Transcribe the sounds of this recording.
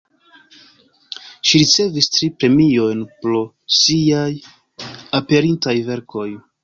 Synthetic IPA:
ʃiɾit͡se̞vistɾipɾe̞mio̞jnpɾo | siaj | ape̞ɾintajve̞ɾkʰo̞j

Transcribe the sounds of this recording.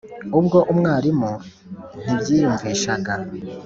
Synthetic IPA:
ubɡo̞ʔumŋaːɾimu | n̥ibɟiːjuɱveːʃaɡa

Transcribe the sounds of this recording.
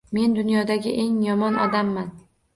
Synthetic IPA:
me̞nd̪ʊnjɒd̪aɡʲɪʔe̞ŋjɒmɒnʔɒ̰d̪amːan

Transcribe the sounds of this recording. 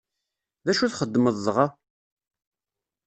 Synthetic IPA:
ðæʃuθχəd̪ːməðˤːʁɑ

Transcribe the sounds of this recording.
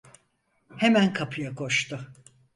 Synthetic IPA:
hemænkʰapʰɯjakʰo̞ʃt̪ʰʊ

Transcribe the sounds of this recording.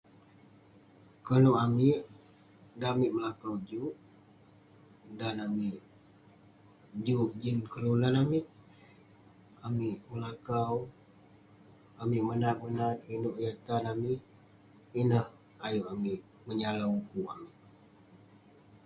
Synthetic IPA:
kənuʔamiʔ | damiʔ̚məlakawd͡ʒuʔ | danamiʔ | d͡ʒuʔd͡ʒinkəlulanamiʔ̚ | amiʔməlakaw | amiʔmənat̪̚mənat̪̚inuʔjat̪anamiʔ | inəh | ajuʔamiʔ | məɲalaukua̰miʔ̚

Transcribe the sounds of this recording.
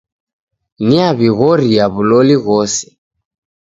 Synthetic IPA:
niaβiɣɔɾiaβulɔliɣɔsɛ̥

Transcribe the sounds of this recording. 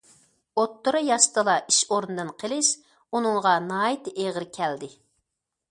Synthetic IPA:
ot̪ːʊɾɨjɑʃt̪ʰɨlˠɑʔiʃoɾnɨd̪ɨnqʰəlɪʃ | unɨŋʁɑnɑːjit̪ɨʔeʁəɾkʲʰɛld̪ɪ

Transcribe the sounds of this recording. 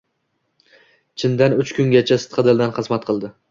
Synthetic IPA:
t͡ʃʰɪnd̪anʊt͡ʃkʰʊŋɡʲat͡ʃʰasɨ̥t̪qʰɨd̪ɪlˠd̪anχɨzmat̪̚qʰɨlˠd̪ɪ

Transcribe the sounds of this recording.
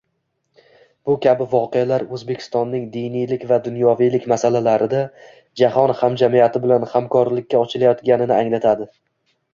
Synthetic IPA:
b̥ʊkʲʰabɪvɒqejalaɾɵzbe̞kʲʰɪ̥st̪ɒnːɪŋd̪ɪjnijlɪkʲvad̪ʊnjɒvijlɪkʲmasalalaɾɪd̪a | d͡ʒahɒnhamd͡ʒamijat̪ʰɪbɪlanhamkʰɒɾlɪkʲːaɒt͡ʃʰɪlajɒt̪ɡʲanɪnɪaŋlat̪ʰad̪ɪ

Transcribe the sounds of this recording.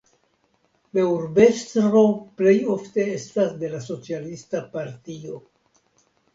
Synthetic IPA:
leuɾbestɾɾople̞jo̞fte̞estasde̞laso̞t͡sialistapaɾtio̞

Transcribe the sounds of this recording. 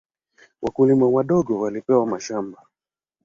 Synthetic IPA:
wʔakulimawaɗɔɡɔwalipɛwamaʃamba

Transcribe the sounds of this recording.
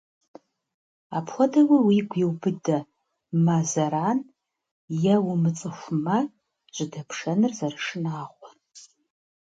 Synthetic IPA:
apʰxʷɔdɐwɐwiɡʷjiwbɨdɐ | mazɐɾaːn | jɐwʊmɨt͡sʼɨxʷmɐ | ʒ̥ʷɪdɐpʰʂɐnɨrzɐrɨʂɨnaːʁʷɔr

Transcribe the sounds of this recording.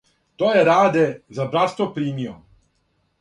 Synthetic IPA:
t̪oːjeɾaːd̪ezabɾat̪st̪ʋopɾiːmio̰

